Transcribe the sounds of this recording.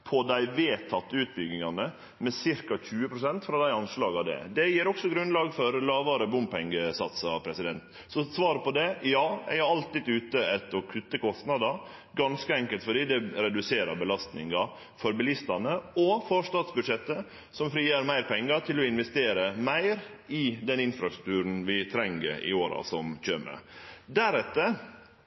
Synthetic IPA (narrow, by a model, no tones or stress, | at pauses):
pʰɔd̪æɪʋeːt̪ʰɑt̪ːəʉːt̪̚bʏɡnɪŋɑnə | mɛsɪɾkɑçʉːəpʰɾʊsɛnt̪fɾɑd̪æɪɑnslɑːɡɑd̪ɛ̰d̪ɛjiːɾɔksɔɡɾʉnlɑːɡfɔɾlɑːʋɑɾəbʊmpɛŋɡəsɑt̪sɑ̰pʰɾɛsɪd̪ɛnt̪ | sɔsʋɑːɾəpɔd̪ɛjɑːjæ̰ɪɑɾɑlt̪ɪːd̪ʉːt̪əɛt̪ːɔkʰʉt̪ːəkʰɔst̪nɑd̪ɑ | ɡɑnskəɛŋkəlt̪fɔɖiːd̪ɛɾɛd̪ʉseːɾɑ̰ɾbəlɑst̪nɪ̰ŋɑ | fɔɾbəlɪst̪ɑnəɔfɔʂt̪ɑːt̪sbʉd̪ʂɛt̪ːə | sɔmfɾiːæɾmæɪɾpʰɛŋːɑt̪ʰɪlɔɪnʋɛst̪eːɾəmæɪɾ | ɪd̪ɛnɪnfɾɑst̪ɾʉk̚t̪ʰʉːɾən̩ʋɪt̪ʰɾɛŋɡə̰ɾɪ̰oːɾɑ̰sɔmçøːmə̰d̪æɾɛt̪ːə